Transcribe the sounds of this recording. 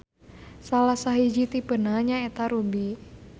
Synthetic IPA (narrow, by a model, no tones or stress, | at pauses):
salahsaɦid͡ʒit̪ipənaɲaet̪aɾubi